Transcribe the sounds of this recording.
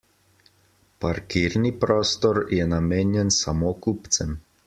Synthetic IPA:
paɾkiɾnipɾɔːst̪ɔɾjɛnameːnjɛnsamokupt̪sɛm

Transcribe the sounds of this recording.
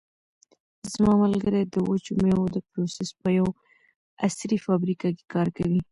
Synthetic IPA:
zmɑmalɡəɾed̪əwot͡ʃumewod̪əpɾosɪspəjaw | asɾifɑbɾikake̥kɑɾkawi

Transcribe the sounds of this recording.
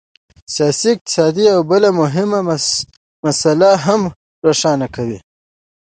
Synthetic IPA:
sijɑsiɪq̚t̪ɪ̥sɑd̪iawbəlamʊɦɪma | masalaɦam | ɾoʂɑːnakʰawi

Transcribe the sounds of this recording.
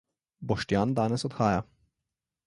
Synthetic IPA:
bɔʃt̪jaːnd̪aːnɛsɔt̪xaːja

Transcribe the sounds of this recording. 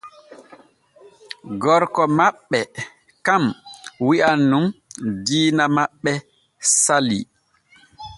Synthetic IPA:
ɡɔɾkɔmaɓːɛ | kamwiʔanːumdiːnamaɓːɛ | sali

